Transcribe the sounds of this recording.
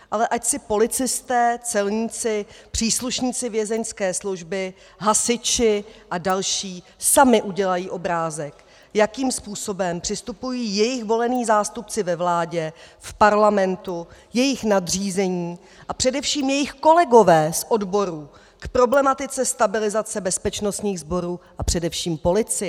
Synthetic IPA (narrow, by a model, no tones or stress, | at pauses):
ʔalɛʔacsɪpo̞lɪt͡sɪst̪ɛːt͡sɛlɲiːt͡sɪpr̝̥iːsluʃɲiːt͡sɪvjɛzɛɲskɛːsluʒbɪ | ɦasɪt͡ʃɪʔadalʃiː | samɪʔuɟɛlajiːʔo̞bɾaːzɛk | jakiːmspuːso̞bɛmpr̥ɪst̪upujiːjɛjɪxvo̞lɛniːzaːst̪up̚t͡sɪvɛvlaːɟɛfpaɾlamɛnt̪ujɛjɪxnadriːzɛɲiː | ʔapr̥ɛdɛfʃiːmjɛjɪxko̞lɛɡo̞vɛːsʔo̞dbo̞ɾuː | kpɾo̞blɛmat̪ɪt͡sɛst̪abɪlɪzat͡sɛbɛspɛt͡ʃnost̪ɲiːɣzbo̞ɾuːʔapr̝̥ɛdɛfʃiːmpo̞lɪt͡sɪ